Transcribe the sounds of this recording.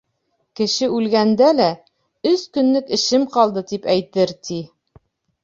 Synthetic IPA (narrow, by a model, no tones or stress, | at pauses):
kɘ̆ʃɘʉlɡænd̪ælæ | ɵskɵ̆nːɘkɘ̆ʃɘmqɒlˠd̪ɤt̪ipæjt̪ɘɾt̪i